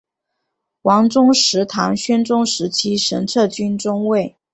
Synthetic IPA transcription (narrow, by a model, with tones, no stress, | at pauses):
wɑ˧˥ŋʈ͡ʂʊ˥ŋʂɻ̩˧˥t̪ʰa˧˥ŋɕɥɛ˥nʈ͡ʂʊ˥ŋʂɻ̩˧˥t͡ɕʰi˥ʂə̰˧˥nʈ͡ʂʰɤ˥˩t͡ɕy˥nʈ͡ʂʊ˥ŋwe˥˩ɪ